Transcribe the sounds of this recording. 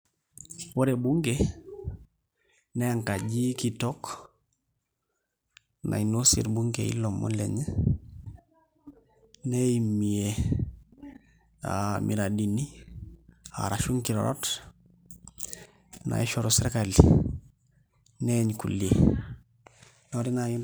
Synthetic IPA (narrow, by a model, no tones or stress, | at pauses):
woɾebuŋɡe | nɛaŋkaɟikitɔk | na̰inosḭɾbuŋɡeḭlomo̰lɛɲ | neimie | a̰miɾadini | a̰ɾaʃuŋkiɾo̰ɾo̰t | na̰iʃoɾosɾekali | neɲkṵlie | noɾina